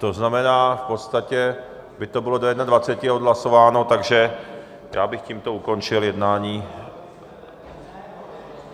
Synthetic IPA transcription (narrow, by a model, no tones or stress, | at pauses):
t̪o̞znamɛnaːfpo̞t̪st̪acɛ | bɪt̪o̞bɪlo̞dojɛdnadvat͡sɛcɪod̪ɦlaso̞vaːnot̪aɡʒɛ | ja̰ːbɪxciːmt̪o̞uko̞nt͡ʃɪljɛdnaːɲiː